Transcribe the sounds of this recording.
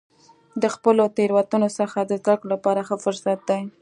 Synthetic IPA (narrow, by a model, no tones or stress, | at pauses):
d̪əxpəlot̪eɾwat̪unosəxad̪əzd̪akɽolapɑɾaxəfʊɾsat̪̚d̪aj